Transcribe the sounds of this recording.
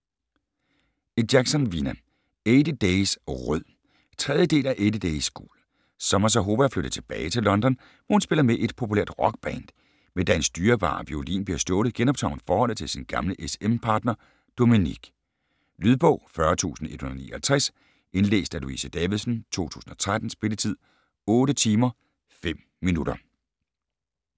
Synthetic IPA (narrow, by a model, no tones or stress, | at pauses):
ed̥jæɡ̥sɒnʋinæ | eːd̥əd̥eɪsʁœð̰ˠ | t͡sʰʁɛð̞ˠjəd̥e̝̰ːlæʔed̥əd̥eɪsɡ̥ṵːl | sɒ̽mɐs̬ɒɦo̝ːʋæfløɾ̥ðˠt͡sʰe̝b̥ɛːɪt͡sʰe̝lɒ̽nd̥ɒ̽n | ʋɒhunsb̥e̝lɐmeʔe̝d̥̚pʰo̝pʰulḛɐ̰d̥ʁɒ̽ɡ̥̚b̥ɛnd̥ | mend̥æensd̥yːɐb̥ɑ̰̈ːʋḭolḭːnb̥liɐsd̥ɔ̽ːð̩ˠɡ̥enɒb̥̚t͡sʰɑ̈ʊ̰n̩ˠfɒːhɒ̽l̰ð̩ˠt͡sʰe̝lsinɡ̥ɑ̈mləʔesempʰɑ̈ːd̥nɐ | d̥o̝miniɡ̥ | lyð̞ˠb̥ɔ̰̽ʊ̰fɶɐt͡sʰṵːsn̩e̝d̥hunɐnḭːɐhælt͡sʰʁɛs | ʔe̝nlḛːsd̥æluḭsəd̥ɛːʋiðˠsən̩t͡sʰo̝̰ːt͡sʰṵːsn̩ɒ̽t͡sʰʁad̥n̩sb̥e̝lət͡sʰið̞̰ˠ | ɔːɾət͡sʰiːmɐ | fem̰ | minud̥ɐ